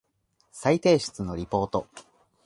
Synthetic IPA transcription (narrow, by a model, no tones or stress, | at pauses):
sait̪e̞ːɕɨ̥t͡sɨno̞ɾʲipo̞ːt̪o̞